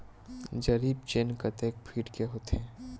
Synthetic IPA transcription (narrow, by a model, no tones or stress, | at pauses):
d͡ʒɐɾiːb̚t͡ʃenkɐt̪eːk̚pʰiːʈkeɦoːt̪eɛ̃ː